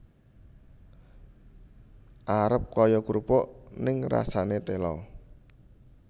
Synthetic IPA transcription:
ʔaɾəp̚kɔjɔɡɾupɔʔnɪŋra̰sanet̪elɔ̰

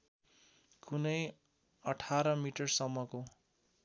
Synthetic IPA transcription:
kunʌj | ʌʈʰaɾʌmiʈʌrsʌmːʌko

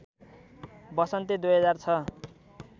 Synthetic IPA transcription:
bʌsʌnt̪ed̪ujɦʌd͡zart͡sʰʌ

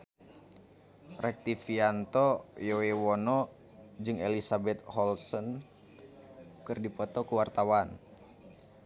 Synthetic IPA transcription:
rɛk̚t̪ifiant̪ɔjɔwewɔnɔ | d͡ʒɨŋelisabɛt̪̚hɔlsɔn | kɨrdipɔt̪ɔkuwart̪awan

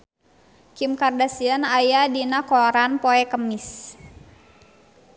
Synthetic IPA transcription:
kimkardasiənajadinakɔɾanpɔɛkəmis

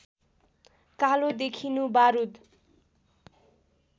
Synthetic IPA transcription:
kalod̪ekʰinubaɾud̪

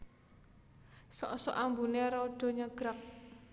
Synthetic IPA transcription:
sɔ̰ʔsɔ̰ʔambuneɾɔɖ̥ɔ̤ɲəɡ̥ɾak̚

